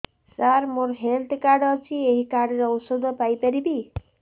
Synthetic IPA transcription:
saɾmoɾɦelt̪ʰkaɾɖɔt͡ʃʰieɦikaɾɖɾɔowsod̪ʱɔpajpaɾibi

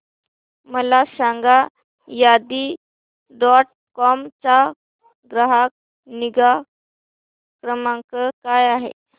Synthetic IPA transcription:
məlasaŋɡa | jad̪iː | ɖɔʈ̚ | kɔmt͡ɕa | ɡɾəɦak̚ | niɡa | kɾəmaŋkəkajaɦḛ

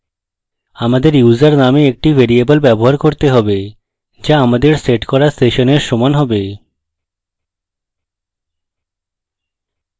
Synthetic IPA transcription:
amad̪eɾjud͡ʑaɾnameek̚ʈivʱeɾiebolbɛboɦaɾkoɾt̪eɦɔbe | d͡ʑaamad̪eɾseʈkɔɾasʈeʃoneɾʃɔmanɦɔbe

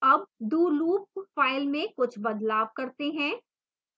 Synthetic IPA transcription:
ɐbd̪uːluːp̚faːɪlmẽkʊt͡ʃʰbɐd̪laːbkɐɾt̪eɦɛ̃ː

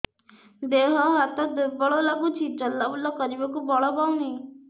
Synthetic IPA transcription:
d̪eɦɔɦat̪ɔd̪ubɔɭɔlaɡut͡ʃʰid͡ʒɔlːabulɔkɔɾibɔkubɔɭɔbawnej

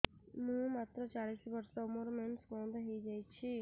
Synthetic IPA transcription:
mũmat̪ɾɔt͡ʃaɭisʋəɾsɔmuɾmeɳʈsmɔd̪ɦejd͡ʒajt͡ʃʰi

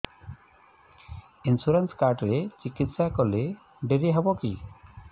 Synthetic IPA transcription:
insuɾanskaɾɖɾet͡ʃikit̪sakɔle | ɖeɾiɦɛbɔki

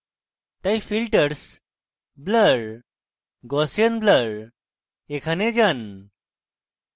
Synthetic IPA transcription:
t̪ajfilʈəɾs | bləɾ | ɡɔsjənbləɾ | ekʰaned͡zan

